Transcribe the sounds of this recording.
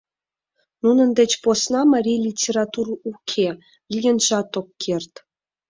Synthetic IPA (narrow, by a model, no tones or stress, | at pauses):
nunə̆nd̪et͡ɕposnɑmɑɾʲijlʲitʲeɾɑt̪urukʰe | ljenʒɑt̪okːʰert̪